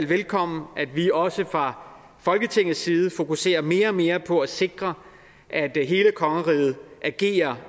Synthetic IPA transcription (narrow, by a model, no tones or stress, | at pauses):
lʋelkʰɒ̽m̰n̩æd̥ʋiɒ̽səfʁɑ̈ | fɒ̽lɡ̥ət͡sʰe̝ŋ̰ð̩ˠsːiːð̞̩ˠfo̝kuse̝̰ːɐme̝ːɐɒme̝ːɐpʰɒ̽æse̝ɡ̥ʁɐ | ʔæd̥ɦe̝ːləkʰɒ̽ŋəʁiːð̩ˠʔæɡ̥e̝̰ːɐ